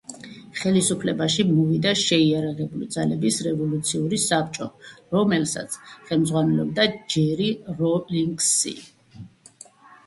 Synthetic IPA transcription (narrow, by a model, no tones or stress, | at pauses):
χɛlisupʰlɛbaʃimɔvid̪aʃɛiaɾaʁɛbulid̪zalɛbisɾɛvɔlut̪sʰiuɾisap̚ʰt͡ʃʼɔɾɔmɛlsa̰t̪sʰχɛlmd̪zʁwanɛlɔb̚d̪ad͡ʒɛɾiɾɔliŋɡsḭ